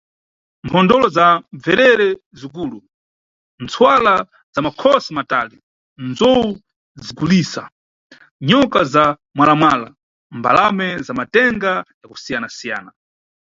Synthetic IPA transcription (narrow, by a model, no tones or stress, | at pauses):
mpʰɔndɔlɔzaɱvɛɾɛɾɛzikuːlu | nt͡sʰwala | zamakʰɔsimatali | nzɔwu | zikuliːsa | ɲɔkaza | mwalamwaːla̰ | mba̰lamɛzamatɛŋɡajakusijanasija̰ːna